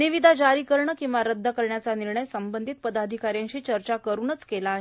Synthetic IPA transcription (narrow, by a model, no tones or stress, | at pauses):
niʋid̪ʱad͡ʑaɾiːkəɾɳəkĩʋaɾəd̪ʱːəkəɾɳjat͡saniɾɳəjsəmbənd̪ʱit̪̚pəd̪ad̪ʱikaɾjãɲt͡ɕiːt͡ɕəɾt͡ɕakəɾuːnət͡skelaːɦe